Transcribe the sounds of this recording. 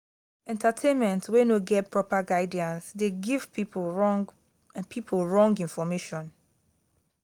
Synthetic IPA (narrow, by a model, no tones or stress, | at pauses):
ɛ̃ntʰatʰẽnmɛ̃ntwẽnoɡɛtpʰɹɔpaɡaɪdiãnsdeɡiv̥i | pʰipʰlˠɹɔ̃ŋɡĩnfɔmeʃɔ̃n